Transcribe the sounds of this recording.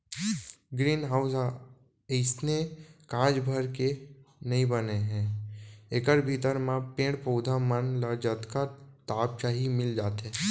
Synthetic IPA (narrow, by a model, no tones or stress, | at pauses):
ɡɾiːnɦaːʊs | ɪsnekãːd͡ʒbʱəɾkenɐɦĩbəneɦɛ̃ːekəɾbʱit̪əɾmãpẽːɽpəːd̪ʱamənləd͡ʒət̪kat̪aːp̚t͡ʃaːɦimɪld͡ʒaːt̪ɛ̃ː